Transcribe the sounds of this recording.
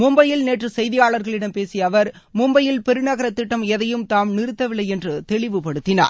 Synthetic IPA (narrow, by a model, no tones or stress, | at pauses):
mʊmbɐjɪlneːʈrɯsɐjðɪjaːɭɐɾɣɐɭɪɽɐmpeːsɪjɐʋɐɾ | mʊmbɐjɪlpɛɾɯnɐɣɐɾɐt̪ːɪʈːɐmɛðɐjɯmt̪aːmnɪɾɯt̪ːɐʋɪɭːɐɪɛndrɯt̪ɛɭɪʋɯpɐɽɯt̪ːɪna̰ːɾ